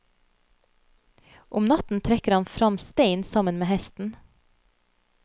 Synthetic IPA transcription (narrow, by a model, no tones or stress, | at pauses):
ʔʊmnɑt̪n̩t̪ʰɾɛkəɾɑnfɾɑmst̪eɪnsɑmənmeːhɛst̪n̩